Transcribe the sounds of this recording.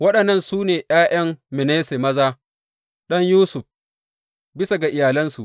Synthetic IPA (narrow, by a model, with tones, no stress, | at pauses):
wɐ˦ɗɐ˨nːɐ˦˨nsuː˦neː˨ʔj̰aː˦jʔɐ˦mːɪ˨neː˦se˨mɐ˦zaː˦ | ɗɐ˦ɲjuː˦sʊ˨ɸ | bɪ˦sa˨ɡa˨ʔɪ˨jaː˨lɐ˦nsu˨ʔ